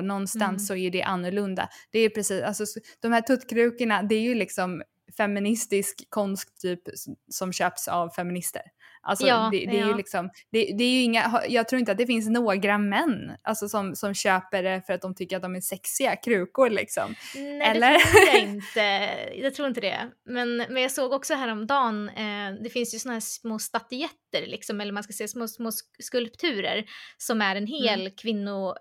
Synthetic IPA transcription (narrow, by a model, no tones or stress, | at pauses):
nɔnːstt̪ansːɔæjɵd̪ɛʔanːɵɾɭɵnd̪a̰d̪̥ɛːɾjɵpʰɾɛsiːsalsɔd̪̥ɔmhæːʈʰɵt̪ːkʰɾʉ̟ːkəɳad̪ɛæɾjɵlɪksɔm | fɛmːɪnɪst̪ɪskʰːɔnskt̪ʰːyːpsɔmɕøːpsa̰vfɛmɪnɪst̪ə̰ɾ | ʔa̰lsɔd̪ɛd̪ɛːɾjɵlɪksɔmd̪̥ɛd̪ɛæɾjɵɪŋːaɦjɑːɡt̪ʰɾuːɾɪnt̪at̪̚d̪ɛfɪns̬noːɡɾamɛnːʔa̰lsɔsɔmsɔmɕøːpəɖɛfœɾat̪̚d̪ɔmt̪ʰʏkːɾat̪̚d̪ɔmæsɛksɪakʰɾʉ̟ːkʊɾlɪ̰ksɔ̰mnɛɛlɛːəuɾɾːjaɪnt̪əjɑt̪ʰɾuːɾɪnt̪əd̪ɛ̰mɛnmɛnjɑːsoːɡɔksɔɦæːɾɔmd̪ɑːnd̪ɛfɪnsjsɔnaɦæːsmoːst̪at̪ɪɛt̪ːəɾlɪ̰ksɔmɛlːəɾmanskasɛːasmoːsmoːskɵlpt̪ʰʉ̟ːɾə̰ɾsɔmæɾɛnɦeːlkʰvɪnːʊ